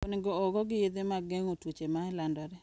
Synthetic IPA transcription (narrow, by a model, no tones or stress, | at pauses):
onɪɡɔːɡɔɡɪjed̪emaɡɛŋotwot͡ʃemaɛlandɔɾɛ